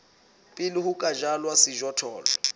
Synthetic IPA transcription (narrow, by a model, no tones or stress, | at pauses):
pʼɪlɪhukʼad͡ʒalwasɪʒɔtʰɔːlɔ̰